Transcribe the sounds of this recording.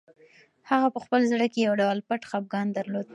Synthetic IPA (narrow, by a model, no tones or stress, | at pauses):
haɣapəxpəlzɽəkejawɖawlpaʈxap̚ɡɑnd̪aɾlod̪̚